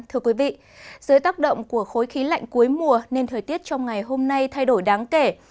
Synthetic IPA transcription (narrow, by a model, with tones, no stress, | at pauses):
t̪ʰɨ˧əkwi˨˦vḭ˧˨ | zəː˨˦jt̪aː˦˥k̚ɗə̰˧˨wŋ͡mku˧˩əxo˨˦jxi˨˦la̰˧˨jŋ̟ku˨˦əjmu˨˩əne˧nt̪ʰəː˨˩jt̪i˦˥ət̚t͡ɕɔ˧wŋ͡mŋa˨˩jɦo˧mna˧jt̪ʰa˧jɗo˧˩jɗaː˨˦ŋke˧˩